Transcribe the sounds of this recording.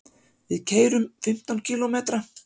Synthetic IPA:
vɪðcʰeːjɾʏmfɪm̥t̪ancʰiːlɔmeːt̪ɾa

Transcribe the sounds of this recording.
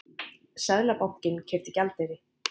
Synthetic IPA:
sɛðlapawhcɪncʰɛɾ̥t̪ɪcalt̪eɾɪ

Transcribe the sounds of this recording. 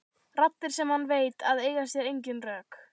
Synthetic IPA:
rat̪ɪɾ̥sɛmhanːveːjt̪aðeːjɣasjɛɾejɲcʏnrœːk

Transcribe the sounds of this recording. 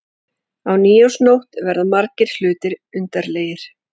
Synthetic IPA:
awniːjowsnowht̪vɛɾðamaɾcɪɾ̥lʏːt̪ɪɾʏnt̪aɾleːjɪɾ̥

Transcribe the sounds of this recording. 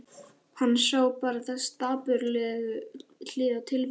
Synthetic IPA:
hanːsaːwpaːɾaθɛst̪aːpʏɾlɛðʏl̥ɪːðat̪ʰɪlv

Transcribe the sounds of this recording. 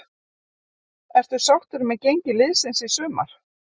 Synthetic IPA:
ɛɾ̥t̪ʏ̥sawht̪ʏɾʏmɛðcejɲcɪlɪðsɪnsisʏːma̰ɾ̥

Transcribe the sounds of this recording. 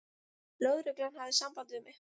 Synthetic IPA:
lœːɥðɾʏklanhavðɪsampant̪ɪvʏmːɪ

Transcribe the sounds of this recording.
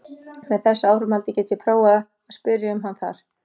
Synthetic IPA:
mɛðθɛsːaaːwɾʏmhalt̪ɪcɛːt̪jɛpʰɾoːwaða | aspʏɾjɪʏmɦanθa̰ɾ̥

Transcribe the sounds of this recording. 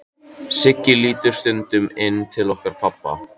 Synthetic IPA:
sɪcːɪliːt̪ʏɾ̥st̪ʏnt̪ʏmɪnːt̪ʰɪlɔhkaɾ̥pʰapːa̰

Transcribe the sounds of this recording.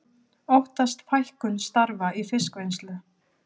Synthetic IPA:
owht̪ast̪fajhkʏnst̪aɾvaifɪskvejnslʏ

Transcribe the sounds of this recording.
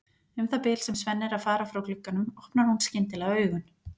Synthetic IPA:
ʏmθapɪːlsɛmsvɛnːɪɾaðfaːɾafɾawklʏkːanʏmɔhpnaɾ̥hunscɪnt̪ɪlɛɣœːɥɣʏn

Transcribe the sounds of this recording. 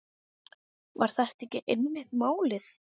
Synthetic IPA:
va̰ɾ̥θɛht̪ɛhcɪʔenvɪht̪maːwlɪθ

